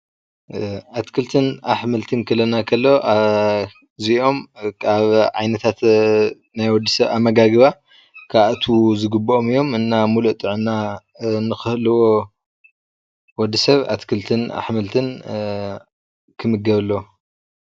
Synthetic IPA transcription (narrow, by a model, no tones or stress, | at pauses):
ʔat̪kʰɨlt̪ʰɨnaħmɨlt̪ʰɨnkʰɐlɐnakʰɐlːoa | ziʔo̞mkʰaβʕa̰jnɐt̪ʰat̪ | najwɔd̪ːisɐβa̰mːɐɡaɡɨβa | kʰat̪ʰuzɨɡɨbːoomijːo̞mɨnːamuluʔt̪ʼɨʕna | nɨxɨhlɨwo | wɔd̪ːisɐβa̰t̪kʰɨlt̪ʰɨna̰ħmɨlt̪ʰɨn | kʰɨmɨɡɐβlːo